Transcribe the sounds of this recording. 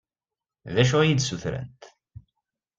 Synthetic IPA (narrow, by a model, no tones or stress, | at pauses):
ðæʃ̬ujid̪suθɾæ̰nt̪